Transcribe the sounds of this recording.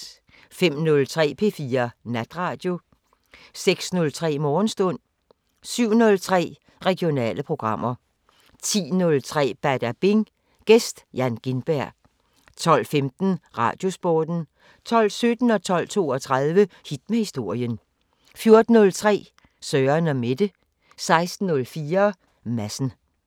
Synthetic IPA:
fem̰nɔ̽lt͡sʰʁɛ̰ːpʰe̝ːfiːɐnæd̥ʁɑ̈ːd̥jo̝ | seɡ̥snɔ̽lt͡sʰʁɛ̰ːmɒːn̩sd̥ɔ̽n̰ | syʊ̰nɔ̽lt͡sʰʁɛ̰ː | ʁɛɡ̥jo̝nɛ̰ːləpʰʁo̝ɡ̥ʁɑ̈m̰ɐ | t͡sʰḭːnɔ̽lt͡sʰʁɛ̰ːb̥æd̥æb̥eŋ | ɡ̥esd̥jænɡ̥inb̥æɐ̰ | t͡sʰɒ̽l̰femd̥n̩ʁɑ̰̈ːd̥jo̝sb̥ɒːd̥n̩ | t͡sʰɒ̽l̰sød̥n̩ɒ̽t͡sʰɒ̽l̰t͡sʰo̝ːɒt͡sʰʁɑðˠʋəhid̥mehisd̥o̝ɐ̰jən | fjo̝ɐd̥n̩ːɔ̽lt͡sʰʁɛ̰ː | sœːɐnɒme̝d̥ə | sɑ̈ɪsd̥n̩ːɔ̽lfiːɐ | mæsn̩

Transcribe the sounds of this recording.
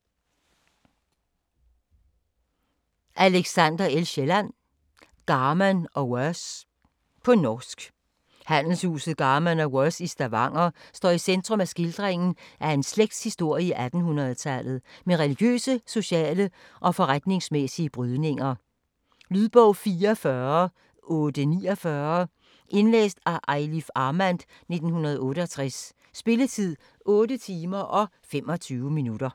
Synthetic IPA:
ʔæleɡ̥sænd̥ɐelɕelæn | ɡ̥ɑ̈ːmænɒ̽wœs | pʰɒ̽nɒːsɡ̥ | hæn̰l̩shṵːsð̩ˠɡ̥ɑ̈ːmænɒwœsisd̥æʋɑ̈ŋ̰ɐsd̥ɒ̰ːisend̥ʁɔ̽mæsɡ̥ild̥ʁeŋn̩ʔæe̝nsleɡ̥̚d̥hisd̥o̝ɐ̰iiʔæd̥n̩hunʁɐð̩ˠt͡sʰælð̩ˠmeʁeliɡ̥jø̰ːsəso̝ɕɛ̰ːləʔɒ̽fɒ̽ʁad̥ne̝ŋsmesiəb̥ʁyð̞ˠne̝ŋɐ | lyðˠb̥ɔʊ̰fiːɐfɶɐ | ɔːd̥əniːɒfɶɐ | ʔe̝nlḛːsd̥æʔɑɪlifɑ̈ːmænd̥ | ne̝d̥n̩hunɐð̞ˠɔ̽ːɾəɒt͡sʰʁasː | b̥e̝lət͡sʰið̰ˠ | ɔ̽ːdət͡sʰiːmɐʔɒ̽ | fem̰ɒ̽t͡sʰyːʊəminud̥ɐ

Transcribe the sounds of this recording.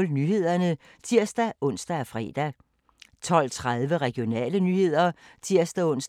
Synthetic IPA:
lnyɦe̝ð̞̰ˠɐnə | t͡sʰiɐ̰sd̥æʔɔ̽n̰sd̥æːfʁɛ̰ːd̥æ | t͡sʰɒ̽l̰t͡sʰʁaðˠʋəʁɛɡ̥io̝nɛ̰ːlənyhe̝ð̞̰ˠɐt͡sʰiɐ̰sd̥æɔ̽n̰s

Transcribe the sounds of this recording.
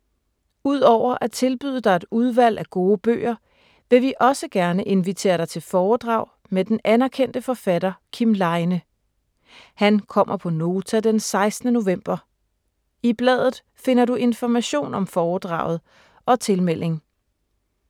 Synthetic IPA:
uð̞̰ˠɒʊ̰ɐʔæt͡sʰe̝lb̥yð̰ˠd̥ɑ̈ɪe̝d̥uð̞ˠʋæl̰æɡ̥o̝ːb̥ø̰ːɐ | ʋe̝ʋiʔɒ̽səɡ̥æɐnəʔe̝nʋit͡sʰe̝̰ːɐɾ̥ɑ̈ɪt͡sʰe̝lfɒːd̥ʁɑ̈ʊ̰ | med̥enænæɐkʰen̰d̥əfɒ̽fædɐkʰimlɑ̈ɪnə | hænkʰɒ̽m̰ɐpʰɒ̽no̝ːt͡sʰæd̥ensɑ̈ɪsd̥nəno̝ʋem̰b̥ɐ | ib̥lɛ̰ð̰ˠð̩ˠ | fe̝nɐɾuʔe̝nfɒmæɕo̝̰ːnɒ̽mfɒːd̥ʁɑ̈ʊ̰ð̞̩ˠ | ʔɒ̽t͡sʰe̝lmel̰ʔe̝ŋ

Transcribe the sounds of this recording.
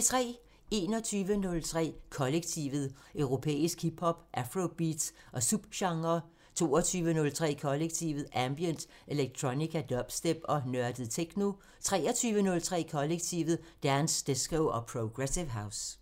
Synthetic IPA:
t͡sʰʁɛ̰ː | e̝ːnɒt͡sʰyːʋənɔ̽lt͡sʰʁɛ̰ːkʰɒ̽leɡ̥̚t͡sʰḭʋð̩ˠ | ʔøʊʁo̝pʰḛːisɡ̥ʰib̥hɒ̽b̥ʔæfʁob̥iːd̥s | ʔɒ̽sub̥ɕɑ̈ŋɐ | t͡sʰo̝̰ːɒt͡sʰyːʋənɔ̽lt͡sʰʁɛ̰ːkʰɒ̽leɡ̥̚t͡sʰiʋð̩ˠæmb̥jənd̥ | e̝leɡ̥̚t͡sʰʁonikʰæd̥ɒ̽b̥sd̥eb̥ɒ̽nɶɐd̥əð̩ˠt͡sʰeɡ̥no̝ | t͡sʰʁɛ̰ːɒt͡sʰyːʋənɔ̽lt͡sʰʁɛ̰ːkʰɒ̽leɡ̥t͡sʰiʋð̩ˠd̥ænsd̥esɡ̥oʊɒ̽pʰʁoɡ̥ʁesiʋɦɑ̈ʊs

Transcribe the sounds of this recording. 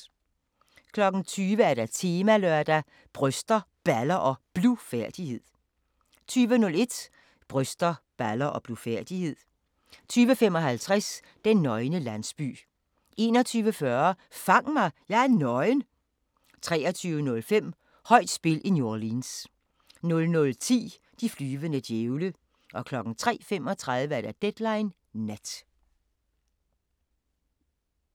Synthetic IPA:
kʰlɒ̽ɡ̥n̩t͡sʰyːʋəæɐɾæt͡sʰe̝ːmælœɐ̰d̥æ | b̥ʁœsd̥ɐ | b̥ælɐʔɒ̽b̥lufæɐd̥ihe̝ð̰ˠ | t͡sʰyːʋənɔ̽le̝d̥ | b̥ʁœsd̥ɐb̥ælɐʔɒ̽b̥lufæɐ̰d̥ihe̝ð̰ˠ | t͡sʰyːʋəfem̰ɒ̽ɦælt͡sʰʁɛs | d̥enːɒ̽ɪnəlæn̰sb̥y̰ː | ʔe̝̰ːnɒ̽t͡sʰyːʋəfɶɐ | fɑ̈ŋ̰mɑ̈ɪjɑ̈ɪæɐnɒ̽ɪn | t͡sʰʁɛ̰ːɒt͡sʰyːʊənɔ̽lfem̰ | hɒ̽ɪ̰d̥sb̥e̝lʔino̝ɐliːns | nɔ̽lnɔ̽lt͡sʰḭː | d̥iflyːʋənəd̥jeʊlə | ʔɒ̽kʰlɒ̽ɡ̥n̩t͡sʰʁɛ̰ːfem̰ɒ̽t͡sʰʁaðˠʋəæɐd̥æd̥ed̥lɑ̈ɪnː | æd̥

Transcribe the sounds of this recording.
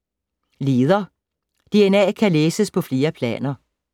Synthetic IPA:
le̝ːð̞ˠɐ | d̥e̝enɛ̰ːkʰæleːsəspʰɒ̽fle̝ːɐpʰlɛ̰ːnɐ

